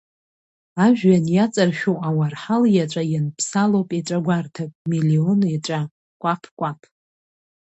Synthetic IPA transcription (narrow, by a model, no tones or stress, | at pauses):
aʒᶣɥanjat͡sʼarʃᶣowawarħaljat͡ʃʷʼajɪnpʰsalowpʼiʈ͡ʂʷʼaɡʷartʰapʼmilioniʈ͡ʂʷʼa | kʷʼapʰkʷʼapʰ